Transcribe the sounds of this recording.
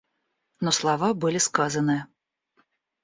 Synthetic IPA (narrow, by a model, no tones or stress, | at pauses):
nɔslˠavabɨlʲiskazɐnɨjɐ